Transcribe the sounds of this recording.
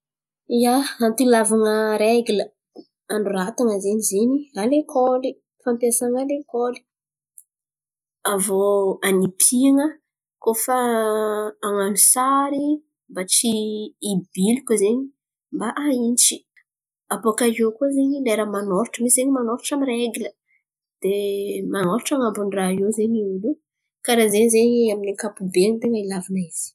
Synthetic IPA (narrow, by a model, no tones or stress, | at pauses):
ijaant̪ilavaŋəɾeɡlə | aɳɖ͡ʐurat̪aŋəzeɲizeɲialekʰoli | fampjasaŋalekoli̥ | avoanipʰiaŋə | kofaː | ŋanusaɾi | mbat͡siː | bilikʲuzeɲi | mbaʔaint͡ʃi̥ | apokaokuzeɲileɾamanɔɾʈ͡ʂəmisizeɲimanɔɾuʈ͡ʂamireɡilə | d̪̥emanoɾuʈ͡ʂaŋambunrajozeɲiulu | kaɾazeɲizeɲaminikapubent̪eŋəilavinaiz̥i̥